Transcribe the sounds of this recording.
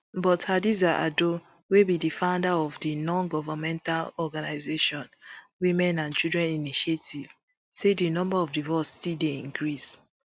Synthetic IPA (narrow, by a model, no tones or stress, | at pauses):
bɔthadizaʔa̰do | webidifãʊ̃ndaɔvdinɔ̃nɡɔvamɛ̃ntalɔɡanaɪzeʃɔ̃nwĩmɛ̃nãnt͡ʃidɹɛ̃niniʃetʰiv | sedinɔ̃mbaɔvdivɔstildeĩŋkɹis